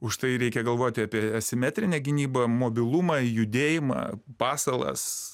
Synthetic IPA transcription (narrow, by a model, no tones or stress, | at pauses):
ʊʃt̪ɐɪɾʲɛɪkʲɛɡɐlˠʋoːt̪ʲɪɑːpʲiɛɐsʲɪmʲæːt̪ʲɾʲɪnʲɛɡʲɪnʲiːbɐmoːbʲɪlˠʊmɐjʊd̪ʲeːjɪmɐ̰pɑːsɐlˠɐ̰s